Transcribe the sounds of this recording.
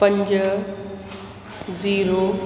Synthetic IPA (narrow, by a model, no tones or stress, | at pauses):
pɐ̃ɲd͡ʑ | ziːɾoː